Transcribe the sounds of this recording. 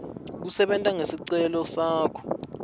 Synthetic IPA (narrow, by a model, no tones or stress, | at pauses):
k̬usɛɓɛntʼaŋesiǀɛlɔsaːkʰɔ̥